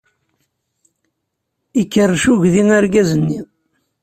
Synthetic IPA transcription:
ikːərːʃuʝðiŋaɾɡæzənːi

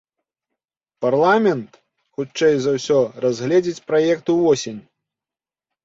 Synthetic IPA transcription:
parlˠamʲɛnt̪ | xut͡ʂt͡ʂːɛjzawsʲɔrazʲɣlʲɛd͡zʲit͡sʲpɾajɛkt̪uvɔsʲenʲ

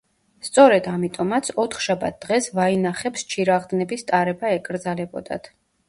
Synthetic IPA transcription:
st̪sʼɔɾɛd̪amit̪ʼɔmat̪sʰɔt̪ʰχʃaba̰t̪̚ʰd̪ʁɛsvainaχɛpst͡ʃʰiɾaʁd̪nɛbist̪ʼaɾɛbaɛkʼɾd̪zalɛbɔ̰d̪a̰t̪ʰ

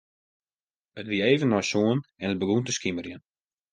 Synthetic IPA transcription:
ətʋiəeːvənːɔjsoənɛnət̚bəɡuntəskimərjən

